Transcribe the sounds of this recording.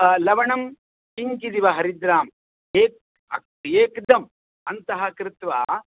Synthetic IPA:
lɐʋɐɳɐm | kiŋkid̪iʋɐɦɐɾid̪ɾaːm | eːk̚ | ɐ | eːkd̪ɐm | ɐnt̪ɐɦɐkɾɪt̪ʋaː

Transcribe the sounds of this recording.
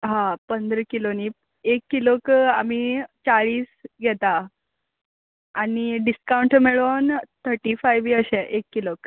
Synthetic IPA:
ɦãpənd̪ɾəkilonip | ekːilokamit͡ɕaɭiːsɡʱɛt̪a | niɖiskauɳʈmeɭont̪ʰəɾʈifajʋiəɕɛʔekːilok

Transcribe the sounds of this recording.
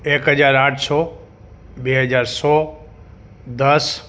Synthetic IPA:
eːkɦəzaːɾãːʈʰsɔː | ɓeːɦəd͡ʑaːɾsɔː | d̪əs

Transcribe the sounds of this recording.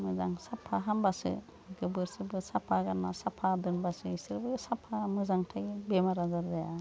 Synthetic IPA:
mɯzaŋsapʰaɦambasɯ̰ | ɡɯbɯɾsɯbɯsapʰaɡanːasapʰadɯnbasɯisɯɾbɯsapʰamɯzaŋtʰaɡibemaɾazaɾdaja

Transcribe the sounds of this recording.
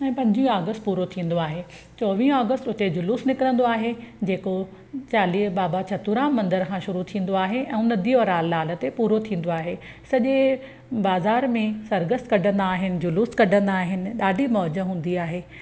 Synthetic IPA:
ɛ̃ːpɐ̃ɲd͡ʑĩaːɡəst̪puːɾot̪ʰĩːn̆d̪oaːɦe | t͡ɕɔːʋĩːaːɡəst̪ʊt̪ed͡ʑʊluːsnɪkɾə̃nd̪oaːɦed͡ʑeːko | t͡ɕaːliːbaːbat͡ɕʰɐt̪uɾãːmmːɐ̃nd̪əɾkʰãʃʊɾut̪ʰĩːn̆d̪oaːɦeʔɛ̃ːʊnə̆d̪ioɾaːlːaːlə̆t̪epuːɾot̪ʰĩːn̆d̪oaːɦe | sɐʄe | baːzaːɾmẽsɐɾɡəskɐɖʱə̃nd̪aːɦɪnɪ̆d͡ʑʊluːskɐɖʱə̃nd̪aːɦɪnɪ̆ɗaːɖʱimɔːd͡ʑəɦũːn̆d̪iaːɦeː

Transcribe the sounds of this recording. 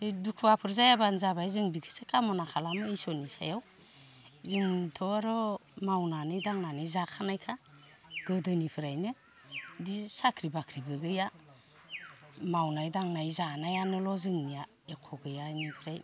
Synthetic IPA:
edukʰuapʰɯɾzajabanzabajzɯŋbikʰɯ̥sekamɔnakʰalamɯisɔnisa̰jaw | intʰɔaɾɔmawnanɯdaŋnanɯzakʰanajkʰa | ɡ̥ɯdɯnipʰɯɾajnɯ | disakʰɾibakʰɾibɯɡɯja | mawnajdaŋnajzanajanɯlɔzɯŋnija | ekʰɔɡɯjajnipʰɯɾaj

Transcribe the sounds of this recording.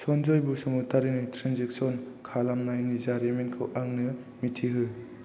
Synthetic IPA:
sɔnd͡ʒɔjbusɔmutaɾinɯjtʰɾanzek̚sɔn | kʰalamnajnizaɾemenkʰɯwʔaŋnɯ | mitʰiɦɯj

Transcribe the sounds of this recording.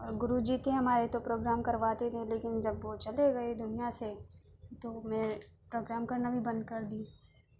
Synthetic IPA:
ɡʊɾud͡ʒiːt̪ẽɦɐmaːɾet̪opɾoːɡɾaːmkɐɾʋaːt̪ed̪ʰẽleːkɪnd͡ʒɐbʋot͡ʃɐleɡɐed̪ʊnijaset̪omẽː | pɾoːɡɾaːmkɐɾnabʱibɐ̃nd̪̚kɐɾd̪iː

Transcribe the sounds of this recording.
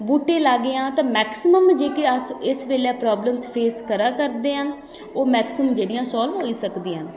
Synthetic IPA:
buːʈːeːlaːɡeãːt̪ãːmɛːksɪməmd͡ʒeːkeəsɪsʋeːljãːpɾaːbləmspʰeːskəɾãːkəɾd̪eːɦə̃ːn | oːmɛːksmd͡ʒeːɽɪjãːsɔːlʋɦoːiːsəkd̪iːãː

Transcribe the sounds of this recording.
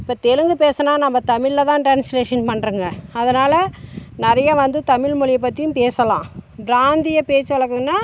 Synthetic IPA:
ɪpːoːt̪ɛɻɯŋɡɯpeːsɐnaːnɐmːɐt̪ɐmɪɭːɐt̪ãːʈɾaːnsleːʂɐnpɐɳːɾɯŋɡɐɐðɐnaːlɐnɐɾɐjaʋɐnd̪ɯt̪ɐmɪɭmʊɻɪjɐp̬ːɐt̪ːɪjʊ̃mpeːsɐlã̰ːɖɾaːnd̪ɪjɐpeːt͡ʃːɯʋɐɭɐkːɯŋɐnːaː

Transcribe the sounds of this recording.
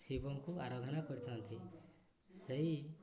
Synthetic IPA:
sibɔŋkuaɾad̪ʱɔnakɔɾit̪ʰɔnt̪ʰi | seɦi

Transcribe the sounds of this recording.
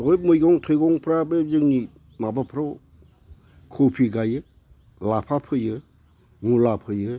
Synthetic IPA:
ɔjmɯjɡɔŋtʰɔjɡɔŋpʰɾabezɯŋni | mabapʰɾaw | kʰɔpʰiɡajɯ | lapʰapʰɯjɯ | ŋulapʰɯjɯ

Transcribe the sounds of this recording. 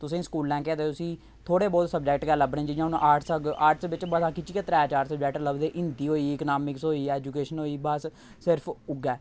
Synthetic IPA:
t̪ʊsĩːskuːlːɛ̃ːkɛːd̪et̪ʊsĩː | t̪ʰoːɽeːbɔːt̪səb̚d͡ʒɛːkʈɡɛːləbnẽːd͡ʒiːd͡ʒãːʊnʔaːɾʈsaːɾʈsʋɪt͡ʃbət̪ãːkɪt͡ʃiket̪ɾɛːt͡ʃaːɾsəbd͡ʒɛkʈləbd̪eːʔɪ̃nd̪iːɦoːiːɪkənaːmɪksoːiːɛːd͡ʒuːkeːʃənoːiːbəs | sɪɾpʰʊɡɛː

